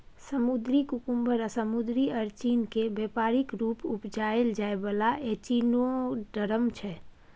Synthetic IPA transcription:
səmud̪ɾikukumbəɾasəmud̪ɾiəɾt͡ʃinkebepaɾikɾupupd͡ʒaeld͡ʒaebəlaʔet͡ʃinoɖəɾəmt͡ʃʰɛ

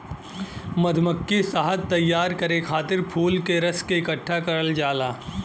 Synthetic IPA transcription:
mɐd̪ʱməkːisaɦəd̪̚t̪ːɐjːaːɾkɐɾekʰaːt̪ɪɾpʰuːlkeɾɐskeɪkəʈʰːakɐɾəld͡ʒaːlaː

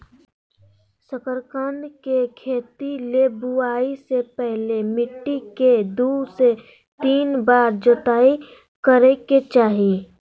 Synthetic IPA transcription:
səkəɾkə̃nd̪kekʰeːt̪ilebuaːisepɛɦlemɪʈːiked̪use | t̪iːnbaːɾd͡ʒət̪aːi | kəɾeket͡ʃaːɦie

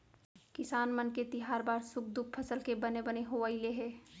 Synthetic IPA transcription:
kɪsaːnmənket̪ɪɦaːɾbaːɾsʊk̚d̪ʊk̚pʰəsəlkebənebəneɦoaileɦɛː

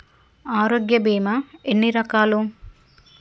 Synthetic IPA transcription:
aːɾoːɡjɐbiːmɐenːiɾɐkaːlu

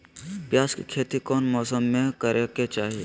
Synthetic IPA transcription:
pjaːskikʰeːt̪ikɔːnmɔːsəmːẽkəɾʔeket͡ʃaːɦieː

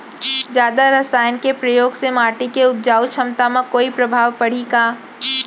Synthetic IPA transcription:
d͡ʒjaːd̪aɾɐsaːjənkepɾɐjoːɡsemaːʈikeʊt̪̚d͡ʒaːut͡ʃʰɐmt̪amãkoːipɾɐbʱaːʋpɐɽ̤ikaː

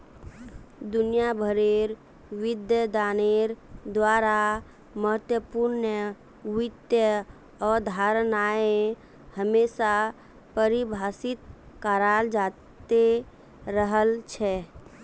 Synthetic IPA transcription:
d̪ʊnijabʱəɾeɾ | ʋɪd̪jəd̪aːneɾd̪waːɾa | məɦət̪jəpuɾnə | ʋɪt̪jə | ɔːɾd̪ʱaːɾnaːe | həmeːsa | pəɾibʱaːsɪt̪̚ | kaɾaːld͡ʒaːt̪e | ɾəɦəlt͡ʃʰɛ

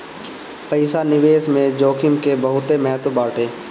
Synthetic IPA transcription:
pəɪsanɪʋeːsmẽd͡ʒoːkʰɪmkebəɦʊt̪emɛɦət̪obaːɾʈeː

